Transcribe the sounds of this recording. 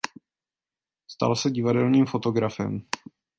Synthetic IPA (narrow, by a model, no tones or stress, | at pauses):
st̪a̰lsɛɟɪvadɛlniːmfo̞t̪o̞ɡɾafɛ̰m